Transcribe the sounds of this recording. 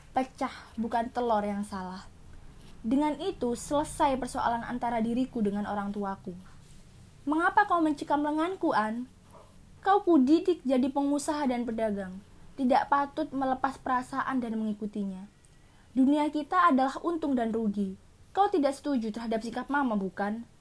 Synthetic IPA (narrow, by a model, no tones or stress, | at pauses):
pət͡ʃahbukant̪əlɔrjaŋsalah | dəŋanit̪usələsajpərsoa̰lana̰nt̪aɾadiɾikudəŋano̰ɾaŋt̪uaku | məŋapakauməɲt͡ʃəkamləŋankuʔan | kawkudidɪk̚d͡ʒadipəŋusaɦadanpərdaɡaŋt̪idaʔpat̪ʊt̪̚mələpaspəɾasaʔandanməŋikut̪iɲa | duniakit̪aːdalahunt̪ʊŋdanruɡi | kawt̪idaʔsə̥t̪ud͡ʒut̪ərɦadap̚sikap̚mamabukan